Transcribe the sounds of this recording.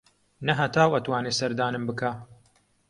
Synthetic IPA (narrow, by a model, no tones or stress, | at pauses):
nɐɦɐt̪ʰaːwɐt̪waːneːsɐɾd̪aːnɨmbɨkʰaː